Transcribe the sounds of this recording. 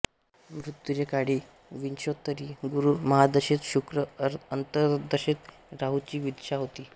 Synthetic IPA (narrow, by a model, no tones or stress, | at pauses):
mɾut̪ːjuɾekaɽiː | ʋinɕot̪ːəɾiːɡuɾuməɦad̪əɕit̪ɕukɾəənt̪əd̪əɕit̪ | ɾaɦut͡ɕiːʋid̪ɕaɦot̪iː